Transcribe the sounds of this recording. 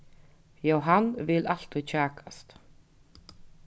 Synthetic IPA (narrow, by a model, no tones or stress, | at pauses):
jaːwɦanvɪlal̥t̪ʏt͡ɕʰaːkast̪